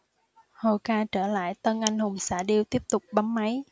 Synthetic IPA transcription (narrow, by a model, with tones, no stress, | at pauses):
ho˨˩kaː˧t͡ɕəː˧˩la̰ː˧˨jt̪ə˧nʔa˧jŋ̟hʊ˨˩ŋ͡msa̰ː˧˩ɗi˧əwt̪i˦˥əp̚t̪ʊ˨˩k͡p̚ɓa˨˦mma˨˦j